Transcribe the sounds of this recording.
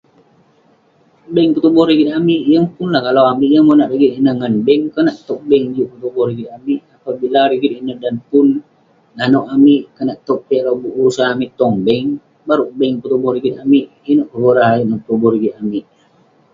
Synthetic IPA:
bɛŋpət̪ubɔhɾiɡit̪̚amiʔjəŋpunlahkalawamiʔjəŋmonaʔriɡit̪inəhŋanbɛŋkənaʔt̪ɔk̚bɛŋd͡ʒuʔpət̪ubɔhɾiɡit̪̚amiʔapabilaɾiɡit̪inəhdanpun | ŋanoʔamiʔkənaʔt̪ɔk̚biʔalawbuʔuɾusanamiʔt̪ɔŋbəŋ | baɾuʔbɛŋpət̪ubɔhɾiɡit̪̚amiʔ | inoʔkəəɾaɦaiŋənpət̪ubɔhɾiɡit̪̚amiʔ

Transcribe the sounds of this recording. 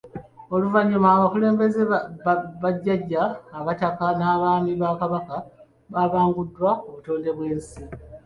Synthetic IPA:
o̞luvaɲːumaβakule̞ːmbe̞ze | βaɟːaɟːaːβatakanaːβaːmiβakaβaka | βaβaːŋɡudːwakuβuto̞ːnde̞βwe̞ːnsi

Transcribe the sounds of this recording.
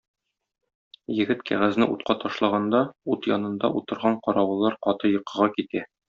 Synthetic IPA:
jɘ̆ɡɘt̪kʰæ̰ʁæznɘʔut̪̚qɑt̪ɒʃlˠɑʁɑnd̪ɑut̪jɒ̰nɤ̆nd̪ɑʔut̪ɤ̆ɾʁɑɴqɒɾɑwɤ̆lˠɑɾqɒt̪ɤjɤ̆qɤ̆ʁɑkit̪æ

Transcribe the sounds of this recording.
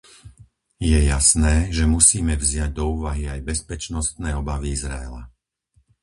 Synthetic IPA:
jɛjasnɛːʒɛmusiːmɛvzɪaɟ̚d̪ɔuːʋaɦiajbɛspɛt͡ʃnɔst̪nɛːɔbaʋiizɾa̰ɛ̰la̰

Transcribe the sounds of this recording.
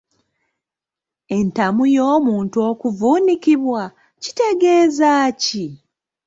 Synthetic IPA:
e̞ntamujo̞ːmuːntuo̞ːkuvuːnikiβwa | ci̥te̞ɡe̞ːzaːci

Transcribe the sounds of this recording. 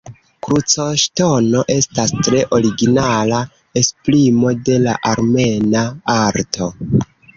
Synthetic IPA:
kɾut͡so̞ʃto̞no̞ʔe̞stastɾe̞ʔo̞ɾiɡinala | espɾimo̞de̞la̰ʔaɾme̞naaɾtʰo̞

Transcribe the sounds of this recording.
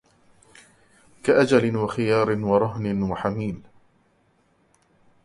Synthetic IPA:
kaʔad͡ʒalɪnwaxɪjɑːɾɪnwɑɾˤɑɦnɪnwaħamiːl

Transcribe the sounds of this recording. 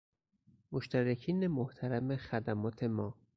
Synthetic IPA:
moʃt̪ʰæɾecʰiːnemoht̪ʰæɾæmexæd̪æmɒːt̪ʰe̞mɒː

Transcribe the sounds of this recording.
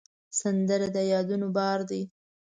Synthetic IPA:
sand̪əɾad̪ajɑd̪unobɑɾd̪i

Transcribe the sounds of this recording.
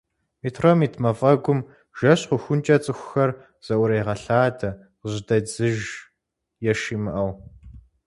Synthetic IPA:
mitʰrɐmitʰmɐfʼɐɡʷʊm | ʒ̥ɐɕqʷʊxʷʊnt͡ʃʼɐt͡sʼɨxʷʊxɐr | z̥ɐʔʷʊɾɐjʁɐɬaːdʰɐ | qəʑdɐd͡zɨʒ | jɛʃimɨʔɐw

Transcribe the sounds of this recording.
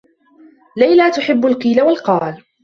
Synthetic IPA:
lajlaːt̪ʊħɪbːʊlqiːlawalqɑːl

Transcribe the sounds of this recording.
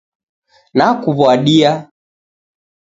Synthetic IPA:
nakuβwaɗia

